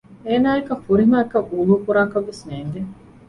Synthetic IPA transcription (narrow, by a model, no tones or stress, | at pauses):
eːnaːekɐfuɾimaːkɐʔuːluːkuɾaːkɐʋːesneːŋɡ̪e